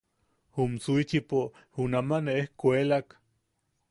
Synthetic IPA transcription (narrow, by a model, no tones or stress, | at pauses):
humt͡suit͡ʃipo | hunamaneehkʷelak